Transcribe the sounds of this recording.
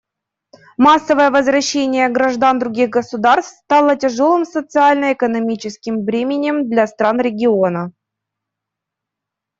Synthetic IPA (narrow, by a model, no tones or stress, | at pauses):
masːəvəjəvəzvɾɐɕːenʲɪjəɡɾɐʐd̪and̪ɾʊɡʲiɣɡəsʊd̪arst̪st̪ɑlˠətʲɪʐolˠɨmsət̪sɨalʲnəɪkənɐmʲit͡ɕɪskʲɪmvɾʲemʲɪnʲɪmd̪lʲast̪ɾanɾʲɪɡʲɪo̞nə